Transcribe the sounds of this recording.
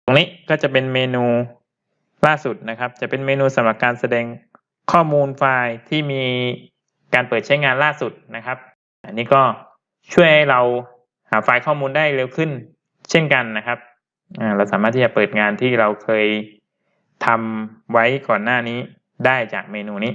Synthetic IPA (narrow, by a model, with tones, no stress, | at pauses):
t̪o˧ŋniː˦˥kɔː˥˩t͡ɕa˨˩pe˧nmeː˧nuː˧ | laː˥˩su˨˩t̪̚na˦˥kʰa˦˥p̚t͡ɕa˨˩pe˧nmeː˧nuː˧sa˩˦mɾa˨˩p̚kaː˧nsa˧dɛː˧ŋ | kʰɔː˥˩muː˧nfaː˧jt̪ʰiː˥˩miː˧ | kaː˧npəɤː˨˩t̪̚t͡ɕʰa˦˥jŋaː˧nlaː˥˩su˨˩t̪̚na˦˥kʰa˦˥p̚ | ʔa˧nːiː˦˥kɔː˥˩ | t͡ɕʰu˥˩əjha˥˩jɾa˧w | haː˨˦faː˧jkʰɔː˥˩muː˧ndaː˥˩jɾe˧wkʰɯ˥˩n | t͡ɕʰe˥˩nka˧nːa˦˥kʰa˦˥p̚ | ʔaː˨˩ɾa˧ws̬aː˩˦maː˥˩t̪i˥˩t͡ɕa˨˩pɤː˨˩t̪̚ŋaː˧nt̪ʰiː˥˩ɾa˧wkʰɤː˧j | t̪ʰa˧mwa˦˥jkɔː˨˩nːaː˥˩niː˦˥ | daː˥˩jt͡ɕa̰ː˨˩k̚meː˧nuː˧niː˦˥